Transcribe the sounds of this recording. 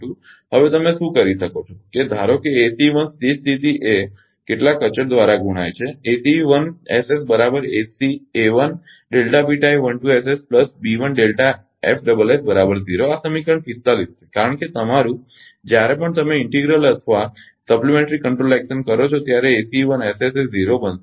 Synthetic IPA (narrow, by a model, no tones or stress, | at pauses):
ũ | ɦəʋet̪əmeʃũkəɾiʃəkot͡ʃʰoked̪ʱaɾokeːsiʋənst̪ist̪it̪iʔe | keʈlakət͡ʃəɾd̪ʋaɾaɡʱuɽ̃ajt͡ʃʰeesiʋənesesbəɾabəɾesieʋən | ɖelʈabiʈaiʋənʈuesespləsbiʋənɖelʈa | efʰɖəbəlesbəɾabəɾd͡ʒiɾoasəmikəɳfʰist̪alisekaɾəɳket̪əmaɾũ | d͡ʒjaɾepəɳt̪əmeɪɳʈiɡɾələt̪ʰʋa | səplimẽɳʈɾikəɳʈɾolɛkʃənkəɾot͡ʃʰot̪jaɾeːsiʋəneseseziɾobən